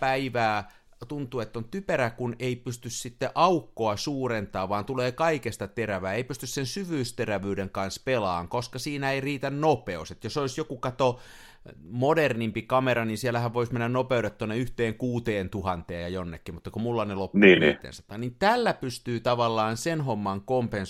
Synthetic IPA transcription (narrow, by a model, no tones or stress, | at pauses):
pæiʋæː | t̪unt̪uːet̪ːont̪yperækuneipyst̪yssit̪ːeʔɑukːoɑsuːrent̪ɑːʋʋɑːnt̪uleːkɑikest̪ɑt̪eræʋæːeipyst̪yssensyʋyːst̪eræʋyːdeŋkɑnspelɑ̰ːŋkoskɑsiːnæeiriːt̪ænnopeoset̪josoisjokukɑt̪o | modernimpikɑmeɾɑninsielæhæʋʋoismenːænnopeuɾet̪t̪uonːeyht̪eːŋkuːt̪eːnt̪uhɑnt̪eːjjɑjonːekːimut̪ːɑkumulːɑneloniːnḭːḛːnsɑt̪ɑnint̪ælːæpyst̪yːt̪ɑʋɑlːɑːnsenhomːɑŋkompens